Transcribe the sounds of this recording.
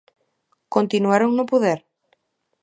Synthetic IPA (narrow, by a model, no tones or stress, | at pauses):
kont̪inuaɾoŋnʊpoðɛɾ